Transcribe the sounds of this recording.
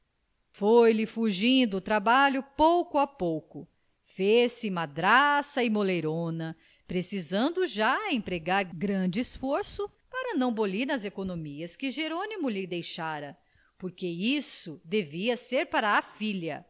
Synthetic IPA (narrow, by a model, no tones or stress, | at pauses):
fojlɪfuʒĩd̪ʊːt̪ɾabalʊpowkʊɐpowkʊ | fesɪmad̪ɾasɐɪmolejɾõnɐ | pɾesizɐ̃nd̪ʊʒaẽpɾeɡaɾɡɾɐ̃d͡ʒɪesfoɾsʊ | paɾɐnɐ̃w̃boliɾnɐzekonomiɐskɪʒeɾõnimʊlɪd̪ejʃaɾɐ | poɾkeisʊd̪eviɐseɾpaɾɐːfiʎɐ